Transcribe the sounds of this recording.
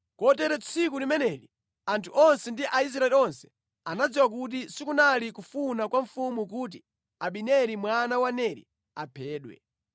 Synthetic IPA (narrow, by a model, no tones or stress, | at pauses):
kɔtɛɾɛt͡sʰik̬ulimɛnɛɾi | antʰuʔɔnsɛndiʔais̬ɾaɛliɔnsɛ̥ | anad͡ziwak̬ut̬isikunalikufunakwaɱ̩fumuk̬ut̬i | aɓinɛɾimwanawanɛɾḭ | a̰pʰɛːɗwɛ̰